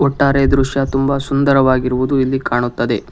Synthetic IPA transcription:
ɔʈːaːɾe̞d̪ɾuʂjɐt̪umbɐsund̪ɐɾɐʋaːɡiɾuʋud̪uilːikaːɳut̪ːɐd̪e̞

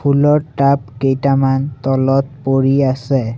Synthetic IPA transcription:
pʰulɔɹʈap̚kejtamant̪ɔlɔt̚poɹiasɛ

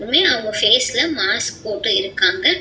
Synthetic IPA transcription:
ɾɯmeːɐʋɯŋɡɐfeːslɐmaːspoːʈːɯɪɾɯkːaːŋɡɐ

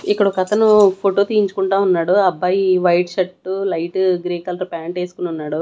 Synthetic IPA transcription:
ikːɐɽɔkɐt̪ɐnupʰoʈoːt̪ijiɲt͡ʃukuɳʈaːunːaːɽuɐbːaːjiʋɐjʈʃɐʈːulɐjʈɡɾiːkɐlɐɾpaːɳʈeːsu̥kununːaːɽu

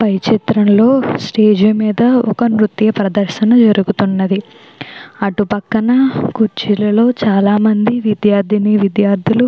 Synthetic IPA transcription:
pɐjt͡ʃit̪ɾɐmlo̞ːsʈeːd͡ʒumiːd̪ɐɔkɐnɾut̪jɐpɾɐd̪ɐɾʃɐnɐd͡ʒɐɾuɡut̪unːɐd̪i | ɐʈupɐkːɐnɐkuɾt͡ʃilɐlo̞ːt͡ʃaːlaːmɐnd̪iʋid̪jaːɾd̪ʱiniʋid̪jaːɾd̪ʱilu

